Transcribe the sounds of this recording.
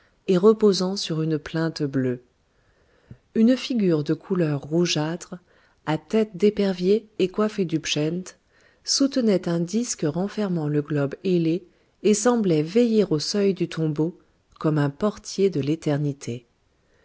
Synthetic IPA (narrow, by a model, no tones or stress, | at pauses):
eʁəpozɑ̃syʁynplɛ̃t̪blø | ynfiɡʲyʁd̪əkʰulœʁːuʒat̪χ | at̪ɛt̪d̪epɛʁvjeːkwafed̪ypʃɛ̃nt̪ | sut̪ənɛt̪ɛ̃d̪iskʁɑ̃fɛʁmɑ̃ləɡlɔbeleː | sɑ̃blɛvejiʁosœjd̪yt̪ʰɔ̃bo | kɔmɛ̃pɔʁt̪jed̪əlet̪ɛʁnit̪ʰe